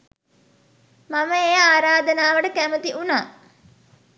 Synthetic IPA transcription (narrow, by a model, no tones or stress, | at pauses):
maməejaːɾaːd̪ənaːʋəʈəkæmət̪iʔunaː